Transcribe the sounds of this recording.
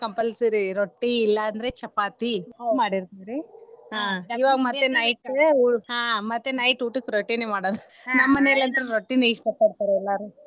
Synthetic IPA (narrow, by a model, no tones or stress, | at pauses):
kɐmpɐlsiɾiɾoʈːiːlːɐːnd̪ɾet͡ʃɐpaːt̪ioɡmaːɽiɾt̪aːɾeɦaːiʋaːɡɐmɐt̪ːenɐjʈuɦaːmɐt̪ːenɐjʈuːʈɯkːɾoʈːineːmaːɽoːd̪u | nɐmːɐneɐlɐnt̪ɐɾeɾoʈːineiʂʈɐpɐɽt̪aːɾeɛlːaɾu